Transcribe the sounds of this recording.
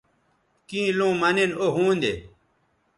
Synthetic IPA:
kĩːlõːmɐnenoɦũːnd̪ḛ

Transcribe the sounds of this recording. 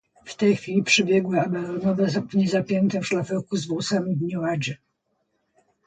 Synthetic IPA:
ft̪ɛjxfʲilʲipʂɘbʲjɛɡwɘabɛɾɔnɔvɛzaɲɛzapʲjɛnt̪ɛfʂlafɛkuzvwusamʲid̪ɲuad͡ʑɛ

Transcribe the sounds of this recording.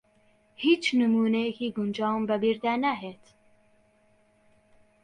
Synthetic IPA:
hiːt͡ʃnɨmuːnekiːɡund͡ʒɑːwmbəbiɾd̪ænæɦet̪

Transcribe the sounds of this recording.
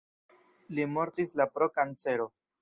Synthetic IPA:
limo̞ɾtislapɾo̞kant͡se̞ɾo̞

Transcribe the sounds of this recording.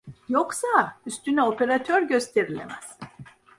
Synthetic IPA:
joksayst̪ʰynɛopʰe̞ɾat̪ʰøɾɟø̞st̪ʰe̞ɾilʲḛmæz̥

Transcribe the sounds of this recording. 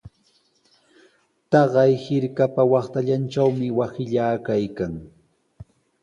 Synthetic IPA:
t̪ɑɢɑjhɪɾkapawɑχt̪aʎant͡ʃawmɪwasɪʎaːkajkaŋ

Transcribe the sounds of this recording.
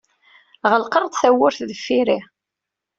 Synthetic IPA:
ʁəlqəɾˤd̪θæwːʊɾθðəfːiɾi

